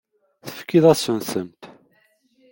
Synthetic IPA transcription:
θə̥fkiðæsunθəmt̪

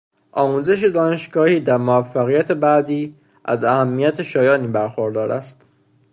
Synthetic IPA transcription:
ʔɒːmuːze̞ʃed̪ɒːne̞ʃɡɒːhiːd̪æɾmoæfːæɣijæt̪ʰe̞bæːd̪iː | ʔæ̰zæhæmːijæt̪ʰe̞ʃɒːjɒːniːbæɾxoɾd̪ɒːɾæ̰st̪

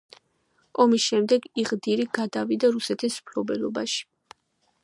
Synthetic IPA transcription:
ɔmisʃɛmd̪ɛɡiʁd̪iɾiɡad̪avid̪aɾusɛt̪ʰismpʰlɔbɛlˠɔba̰ʃi̥

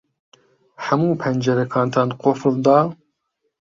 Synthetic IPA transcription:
ħæmuːpʰɛnd͡ʒɛɾɛkʰɑːnt̪ʰɑːnqofld̪ɑː

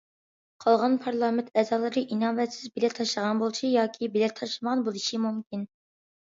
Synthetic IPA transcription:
qʰɑlˠʁɑnpʰɑɾlˠɑːmɪnt̪ʰɛzɑːlˠɨɾɨʔinɑːvɛt̪sɪzbelɛt̪ʰɑʃlˠəʁɑnbolˠɨʃijɑːkʲʰibelɛt̪ʰɑʃlˠɨməʁɑnbolˠɨʃimumkʲin

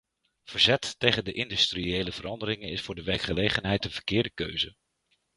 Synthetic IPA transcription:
v̥əɹzɛtːejχəndəʔɪndystriejləv̥əɾɑndəɾɪŋənɪsfʊːɹdəʋɛɹkχəlejχənɦɛjtənv̥əɹkɪːɹdəkø̰ɥzə

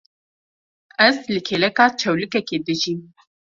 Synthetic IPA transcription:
ʔɛzlɨkʰeːlɛkaːt͡ʃʰɛwlɨkɛkeːd̪ɨʒiːm

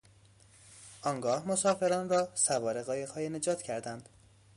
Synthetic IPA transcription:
ʔɒːŋɡɒːhmosɒːfe̞ɾɒːnrɒːsævɒːɾeɣɒːjeɣhɒːjene̞d͡ʒɒːt̪ʰcʰæɾd̪ænd̪̥

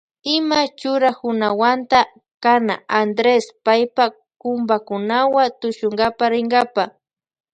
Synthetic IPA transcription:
ɪmat͡ʃʊɾahʊnawant̪a | kana̰and̪ɾespajpa | kʊmbakʊnawat̪ʊʃʊŋɡapaɾɪŋɡapa

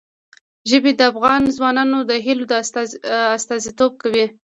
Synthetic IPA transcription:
ʒəbed̪əafɣɑnzwɑnɑnod̪əɦilod̪ə | ast̪ɑzit̪ob̚kawi

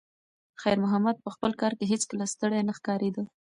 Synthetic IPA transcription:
xajɾmʊɦamad̪̚pəxpəlkɑɾkeɦet͡skəlast̪əɽajnaxkɑɾed̪ə

